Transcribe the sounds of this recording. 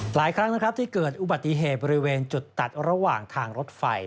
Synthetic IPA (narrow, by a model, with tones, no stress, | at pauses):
laː˩˦jkʰɾa˦˥ŋna˦˥kʰɾa˦˥p̚t̪iː˥˩kɤː˨˩t̪̚ʔu˨˩ba˨˩t̪ːi˨˩ɦeː˨˩t̪̚bɔː˧ɾi˦˥weː˧nt͡ɕu˨˩t̪ːa˨˩t̪̚ɾa˧waː˨˩ŋt̪ʰaː˧ŋɾo˦˥t̪̚fa˧j